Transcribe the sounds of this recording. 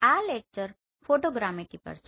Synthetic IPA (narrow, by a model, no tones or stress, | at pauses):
alek̚t͡ʃəɾ | foʈoɡɾameʈipə̰ɾt͡ʃʰ